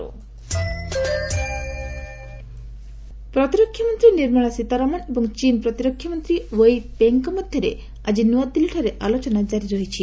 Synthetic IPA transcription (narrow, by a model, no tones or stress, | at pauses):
pɾɔt̪iɾɔkʰːjamɔnt̪ɾiniɾmaɭ̃asit̪aɾɔmanebɔŋt͡ʃinpɾɔt̪iɾɔkʰːjɔmɔnt̪ɾiwejbeŋkɔmɔd̪ʱjɔɾe | a̰d͡ʒinuad̪̚iliʈʰɔɾeʔalot͡ʃɔnad͡ʒaɾiɾɔɦit͡ʃʰi